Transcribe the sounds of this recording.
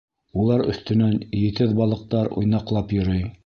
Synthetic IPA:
ulˠɑɾɵ̰̆θt̪ɵ̆nænjɘ̆t̪ɘðbɑlˠɤ̆q̚t̪ɑɾṵjnɑqlˠɑpjŏɾɤj

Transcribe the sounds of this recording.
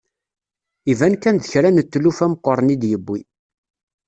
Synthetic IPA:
ivænkænðəçɾænət̪ːlufæmqəɾˤənid̪jəbːi

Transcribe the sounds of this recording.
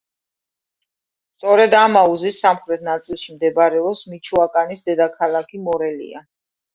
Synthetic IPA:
st̪sʼɔɾɛd̪amauzisamχɾɛt̪ʰnat̪sʼilˠʃimd̪ɛbaɾɛɔpsmit͡ʃʰuakʼanisd̪ɛd̪akʰalˠakʰimɔɾɛlḭa

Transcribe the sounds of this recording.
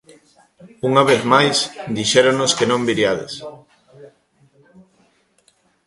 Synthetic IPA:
uŋaβ̞eθmajsd̪iʃɛɾonoskenõmbiɾjaðḛs

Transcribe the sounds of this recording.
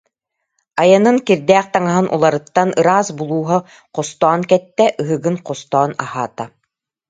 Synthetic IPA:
ajanɯŋkiɾd̪æːqt̪aŋaɦɯnʔṵlˠaɾɯt̪ːanɯɾaːsbulˠuːɦɔ | qɔst̪ɔːnkɛt̪ːɛʔɯɦɯɡɯnqɔst̪ɔːna̰haːt̪a

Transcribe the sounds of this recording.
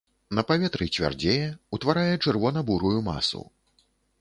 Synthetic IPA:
nɐpavʲɛt̪ɾɨt͡sʲvʲa̰rd͡zʲejɛut̪vaɾajɛt͡ʂɨrvɔnɐbuɾujuma̰sṵ

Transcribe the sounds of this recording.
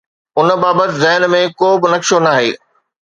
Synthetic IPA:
ʊn̆baːbət̪ɪzɛɦnmẽkoːbɪnɐkʃonaːɦḛː

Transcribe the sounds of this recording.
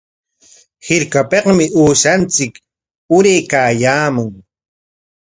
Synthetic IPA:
hɪɾkapeqmɪʔuːʃant͡sɪk | ʊɾejkaːjaːmʊŋ

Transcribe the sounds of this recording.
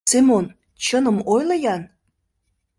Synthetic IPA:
simon | t͡ɕənəmojlɤjɑn

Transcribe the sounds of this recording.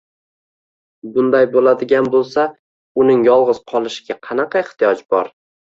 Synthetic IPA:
bʊnd̪ajbolad̪ɪɡʲanbolˠsa | ʊnɪŋjɒlˠʁɨz̥qʰɒlˠɪʃɪ̥ɡʲaqʰɑnɑqʰɑɪχt̪ɪjɒd͡ʒbɒ̰ɾ

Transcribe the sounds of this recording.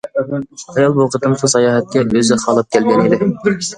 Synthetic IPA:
ɑjɑlˠboqʰət̪ɨmsusɑjɑːɦɛt̪̚kʲɛøzɪχɑlˠɨp̚kʲʰɛlɡʲɛnid̪ɪ

